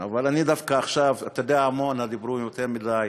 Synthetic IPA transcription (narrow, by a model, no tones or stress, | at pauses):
avalanid̪afkaːχʃavt̪od̪eaamonad̪ibɾumjot̪eʁmidaj